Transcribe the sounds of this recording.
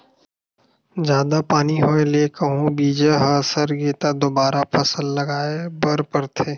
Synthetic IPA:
zjaːd̪apaːniɦoːeleːkəɦũbiːd͡ʒeɦəsəɾɡeːt̪ad̪obaːɾapʰɐsəlːɐɡaːebɐɾpəɾt̪ʰeː

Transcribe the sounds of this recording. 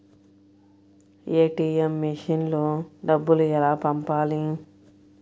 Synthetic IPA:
eːʈiːemːiʂinloːɖɐbːuluɛlaːpɐmpaːli

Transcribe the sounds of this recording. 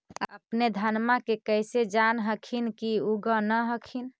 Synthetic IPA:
əpned̪ʱənmakekəjsed͡ʒanɦəkʰinkiuɡənəɦəkʰin

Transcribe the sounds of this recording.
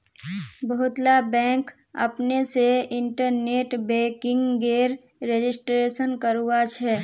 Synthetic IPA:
bəɦʊt̪labɛ̃ːk | ə̰pneseɪ̃ɳʈəɾneːʈbɛ̃ːkɪ̃ŋɡɡeːɾ | ɾed͡ʒɪsʈɾeːʃənkəɾuwat͡ʃʰɛː

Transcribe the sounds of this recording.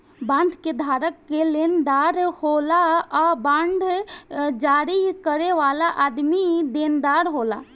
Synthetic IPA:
bãːnd̪ʱked̪ʱaːɾəkːelend̪aːɾholaabãːnɖ̪ʱ | d͡ʒaːɾikəɾeʋaːlaʔad̪mid̪eːnd̪aːɾɦoːla̰

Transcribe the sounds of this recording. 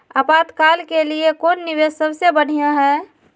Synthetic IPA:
apaːt̪kaːlkeliekoːnːiʋessəbsebəɽ̤ijãɦɛː

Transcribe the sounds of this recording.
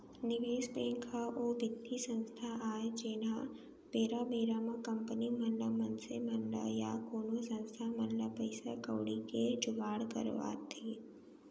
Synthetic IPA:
nɪɡeːspeːŋkʰaʔoːbɪd̪isə̃nst̪ʰaʔaːed͡ʒeːna | beːɾabeːɾamãkɐ̃mpənimənɖamənsemɐnɖa̰ja̰koːnosə̃nst̪ʰamɐnlapəɪsakə̰ːɽiked͡ʒʊɡaːɽkə̰ɾʋa̰ːt̪ʰiː

